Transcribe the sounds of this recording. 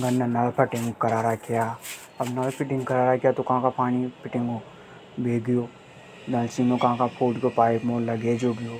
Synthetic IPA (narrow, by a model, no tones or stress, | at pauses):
ɡɐnːanɐlpʰɐʈɪ̃ŋɡkɐɾaːɾakija | ɐbnɐlpʰɪʈɪ̃ŋɡkɐɾaːɾakijat̪okɐɦãːkapaːñipɪʈɪ̃ŋɡo | bʱeːɡəjoː | dɐlsiːnokɐɦãkapʰoːʈkopaːɪkmoːllɐɡed͡ʒoːɡɪjoː